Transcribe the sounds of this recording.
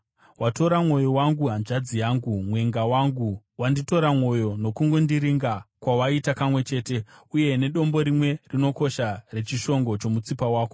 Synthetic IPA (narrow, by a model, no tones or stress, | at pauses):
wato̞ɾamwo̞jo̞waŋɡuɦanʐad͡zijaːŋɡumwe̞ŋɡawaŋɡu | wandito̞ɾamwo̞jo̞no̞kuŋɡo̞ndiɾiŋɡakwawaitakamwe̞t͡ʃe̞ːte̞uje̞ne̞ɗo̞mbo̞ɾimwe̞rino̞ko̞ʃare̞t͡ʃiʃo̞ŋɡo̞t͡ʃo̞mut͡sipawaːko